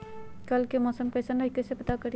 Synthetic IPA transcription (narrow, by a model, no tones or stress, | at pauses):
kɐlkemɔːsəmkɛːsənɐikesepɐt̪akɐɾi